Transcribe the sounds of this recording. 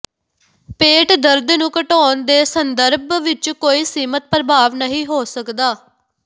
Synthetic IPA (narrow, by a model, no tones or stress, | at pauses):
peːʈd̪əɾd̪nũːkəʈɔːnd̪eːsənd̪əɾbʋɪt͡ʃkoːiːsiːmət̪̚pɾəbʱaːʋnəɦĩːɦoːsəkd̪aː